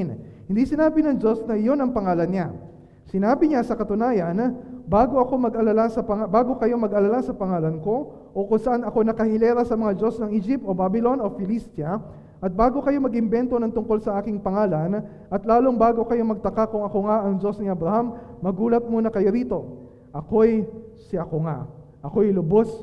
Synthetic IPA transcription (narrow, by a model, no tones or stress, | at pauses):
n | hɪnd̪isɪnaːbɪnɐŋd͡ʒo̞snɐɪjo̞nɐŋpɐŋaːlɐnɲa | sɪnaːbɪɲasɐkɐt̪ʊnaːjɐnbaːɡo̞ʔɐko̞mɐɡʔɐlalasɐpɐabaːɡo̞kɐjo̞mɐɡɐlalasɐpɐŋaːlɐnko̞ | ʔokʊŋsɐʔanɐko̞nɐkɐhɪlɛːɾɐsɐmɐŋad͡ʒo̞snɐŋʔɪd͡ʒɪp̚t̪ʔo̞babɪlo̞no̞fɪlist̪jɐ | ʔɐt̪̚baːɡo̞kɐjo̞mɐɡɪmbɛnt̪o̞nɐŋt̪ʊŋko̞lsɐʔaːkɪŋpɐŋaːlɐn | ʔɐt̪laːloŋbaːɡo̞kɐjo̞mɐɡ̚t̪ɐkakʊŋɐko̞ŋaʔɐŋd͡ʒo̞snɪʔɐbɾɐhamːɐɡuːlɐt̪̚muːnɐkɐjo̞ɾiːt̪o̞ | ʔɐko̞jsɪʔɐkoŋa | ʔɐko̞jlʊbo̞s